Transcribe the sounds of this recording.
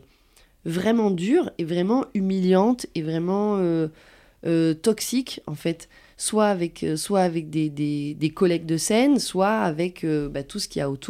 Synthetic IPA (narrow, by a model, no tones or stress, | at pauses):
vʁɛmɑ̃d̪yʁevʁɛmɑ̃ymiljɑ̃t̪evʁɛmɑ̃ø | øt̪ɔksikɑ̃fɛt̪ | swaːvɛkʰøswaːvɛk̚d̪ed̪ed̪ekɔlɛk̚d̪əsɛnswaavɛkʰøbat̪usə̥kʲiaot̪ʰu